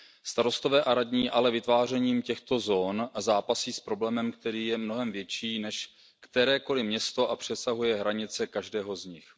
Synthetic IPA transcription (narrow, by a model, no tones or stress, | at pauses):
st̪aɾo̞st̪o̞vɛːʔaɾadɲiːʔalɛvɪt̪vaːr̝ɛɲiːmcɛxt̪o̞zoːnzaːpasiːspɾo̞blɛːmɛmkt̪ɛɾiːjɛmnoɦɛmvjɛt͡ʃiːnɛʃ | kt̪ɛɾɛːko̞lɪmɲɛst̪o̞ʔapr̝̥ɛsaɦujɛɦɾaɲɪt͡sɛkaʒdɛːɦo̞zɲɪx